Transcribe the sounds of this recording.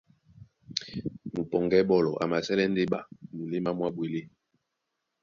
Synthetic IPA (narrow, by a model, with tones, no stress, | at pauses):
mu˨pɔ˨ŋɡɛ˦ɓɔ˦lɔ˨ʔa̰˨ma˨sɛ˦lɛ˦nde˦ɓa̰˨mu˨le˦ma˦mwa˦bwe˨le˦